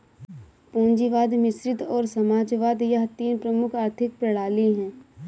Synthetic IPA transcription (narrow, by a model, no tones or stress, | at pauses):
põːnd͡ʒiʋaːd̪mɪsɾɪt̪ɔːɾsɐmaːd͡ʒʋaːd̪jəɦt̪iːnpɾəmʊkʰaːɾt̪ʰɪk̚pɾɐɽ̤aːliɦɛ̃ː